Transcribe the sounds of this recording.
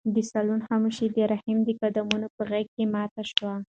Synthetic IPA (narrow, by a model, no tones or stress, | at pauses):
d̪əsalunhamuʃid̪əɾahimd̪əkad̪amunopəɣaɡ̚kemɑt̪aʃwa